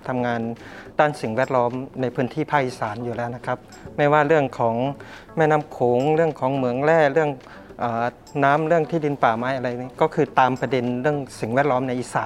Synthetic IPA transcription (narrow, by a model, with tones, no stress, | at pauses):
t̪ʰa˧mŋaː˧ndaː˥˩nsi˨˩ŋwɛː˧˥˩t̪̚lɔː˦˥mna˧jpʰɯː˧˥nt̪ʰiː˥˩pʰaː˥˩k̚iː˧˩saː˩˦njuː˨˩lɛː˦˥˩wna˧˥˩kʰa˦˥p̚ | mɛː˧˥˩waː˧˩ɾɯ˥˩əŋkʰɔː˩˦ŋ | mɛː˥˩˨naː˧˥˩mkʰoː˩˦ŋɾɯ˥˩əŋkʰɔː˩˦ŋmɯ˨˩˦əŋlɛː˧˥˩ɾɯ˥˩əŋ | ʔaː˨˩ | naː˦˥˨mɾɯ˥˩əŋt̪ʰiː˥˩di˧npaː˨˩maː˨˥jʔa˧ɾa˧jkɔː˥˩kʰɯː˧t̪aː˨˧mpa˧de˧nɾɯ˥˩əŋsi˨˩ŋwɛː˦˥˩t̪̚lɔː˦˥mna˧jʔiː˧˩saː˨˩˦